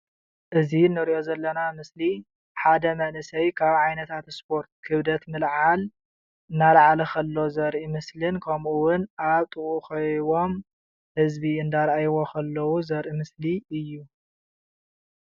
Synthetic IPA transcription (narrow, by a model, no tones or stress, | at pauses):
ʔɨzinːɨɾiʔo̞zɐlːɐnamɨsli | ħad̪ɐmɐnɨsɐjkʰaβʕajnɐt̪ʰat̪spʰo̞ɾt̪̚kʰɨβd̪ɐt̪mɨlʕal | ɨnːalaʕalɐkʰɐlːo̞zɐɾʔimɨslɨnkʰɐmʔuwʊnʔaβt̪ʼɨɣuxɐjwo̞m | hɨzbiɨnd̪aɾʔajwokʰɐlːɐwuzɐɾʔimɨsliɨjːu